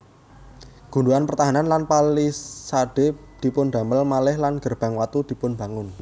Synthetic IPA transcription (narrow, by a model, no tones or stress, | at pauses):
ɡ̥ṳɳduanpərt̪aɦananlanpalisaɖ̥e̤d̪̥i̤pʊnɖ̪̥a̤məlmalɪhlanɡ̥ə̤rb̥a̤ŋwat̪ud̪̥i̤pʊnba̤ŋʊn